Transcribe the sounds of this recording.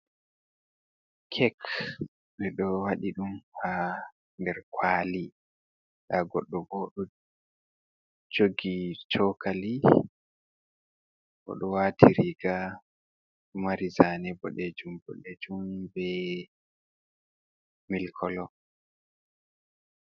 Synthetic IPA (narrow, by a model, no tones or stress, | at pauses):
kʰɛk | ɓɛɗɔwaɗiɗumha | ndɛɾkwaːli | ɗaɡɔɗːɔɡɔɗɔ | d͡ʒoɡit͡ʃʰɔkʰali | ʔɔ̰ɗɔwatʰiɾiɡa | ɗumaɾizanɛbɔ̰ɗɛd͡ʒumbɔ̰ɗɛd͡ʒumbɛ | milkʰɔlɔ